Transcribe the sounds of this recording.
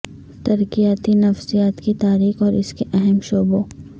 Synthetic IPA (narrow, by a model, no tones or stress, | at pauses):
t̪ɐɾkijaːt̪inɐfsijaːt̪kit̪aːɾiːxɔːɾɪskeʔɛɦɛmʃoːbo